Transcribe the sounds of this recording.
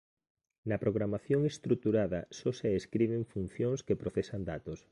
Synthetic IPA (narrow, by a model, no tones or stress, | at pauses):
nɐpɾoɣɾamaθjoŋest̪ɾut̪uɾaðɐ̰sɔseeskɾiβ̞ɪɱfun̟θjoŋskepɾoθesand̪at̪os